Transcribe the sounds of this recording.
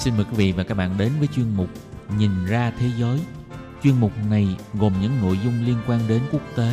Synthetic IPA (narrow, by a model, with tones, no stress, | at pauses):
si˧nməː˨˩jkwi˨˦vḭ˧˨vaː˨˩kaː˦˥k̚ɓa̰ː˧˨nɗe˨˦nvəː˨˦jt͡ɕwi˧ənmʊ˨˩k͡p̚ɲi˨˩nzaː˧t̪ʰe˨˦zəː˨˦j | t͡ɕwi˧ənmʊ˨˩k͡p̚na˨˩jɣo˨˩mɲɨ̰˧˥ŋno̰˧˨jzʊ˧ŋ͡mli˧ənkwaː˧nɗe˨˦nku˦˥ək̚t̪e˨˦